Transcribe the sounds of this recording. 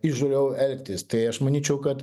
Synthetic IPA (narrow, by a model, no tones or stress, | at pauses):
ɪʒoːlʲɛʊɛlʲkʲt̪ʲɪst̪ɐɪɐʃmɐnʲiːt͡ʃʲɛʊkɐt̪